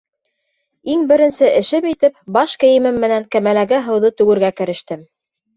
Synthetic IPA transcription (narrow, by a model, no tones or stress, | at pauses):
iŋbɘ̆ɾɘ̆nsɘʔɘ̆ʃɘmit̪ɘpbɑʃkɘ̆jɘ̆mɘmːɘ̆næŋkæmælæɡɘɦɤ̆wðɤt̪ʉɡɘ̆ɾɡækɘ̆ɾɘ̆ʃt̪ɘm